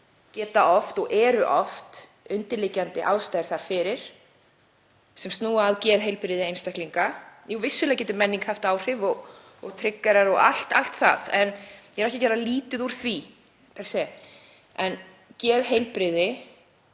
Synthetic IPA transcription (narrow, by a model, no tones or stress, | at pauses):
cɛːt̪aʔɔft̪ɔɣʔɛːɾʏʔɔft̪ | ʏnt̪ɪlɪcant̪ɪʔaːwst̪aːjɾ̥θaɾ̥fɪɾɪɾ̥ | sɛmst̪nuːaːðcɛːðɦejlpɾɪðɪejnst̪ahk̪liŋkajɛvɪsːʏlɛacɛːt̪ʏmɛnːiŋkhaft̪aːwr̥ɪvɔɣ | ɔɣt̪ʰɾɪkːaɾaɾɔɣa̰l̥t̪al̥t̪θa̰ðɛnjɛɾɛhcɪcɛːɾaliːt̪ɪðuɾ̥θvi | pʰɛɾ̥sɛ | ɛn | cɛːðɦejlpɾɪðɪ